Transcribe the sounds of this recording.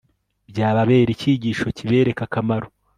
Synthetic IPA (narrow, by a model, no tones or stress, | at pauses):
bɟaːβaβe̞ːɾiciɟiːʃo̞ciβe̞ːɾe̞kakamaɾo